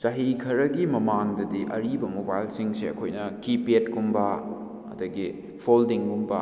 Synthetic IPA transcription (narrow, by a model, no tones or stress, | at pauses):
sɐɦikʰɐɾɐɡimɐmaŋdɐdiʔɐɾibɐmobajlsiŋseɐ̰kʰojnɐkipietkumbɐ | ɐ̰dɐɡi | pʰoldiŋkumbɐ